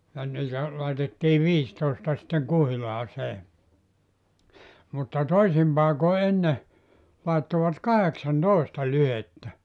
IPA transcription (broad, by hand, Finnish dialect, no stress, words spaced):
jɑ niːtæ lɑitetːiː ʋiːstoˑestɑ sĭtːeŋ kuhilɑːseː mutːɑ toisim pɑeko enːe lɑetːoʋɑt kɑheksɑntoˑistɑ lyhetːæ